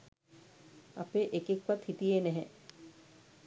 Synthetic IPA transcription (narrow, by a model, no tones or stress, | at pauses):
ɐ̰peʔekekʋat̪hit̪ienɛɦɛ̃